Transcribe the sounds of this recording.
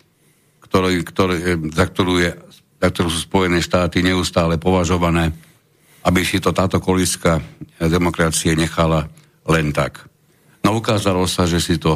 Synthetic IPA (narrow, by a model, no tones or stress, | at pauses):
kt̪ɔɾkt̪ɔɾɛzak̚t̪ɔɾuːjɛ | zak̚t̪ɔɾuːsuːspɔjɛnɛːʃt̪aːt̪iɲɛust̪aːlɛpɔʋaʒɔʋanɛː | abisit̪ɔt̪aːt̪ɔkɔliskad̪ɛmɔkɾat͡siɛɲɛxala | lɛnt̪ak | nɔukaːzalɔsaʒɛsit̪ɔ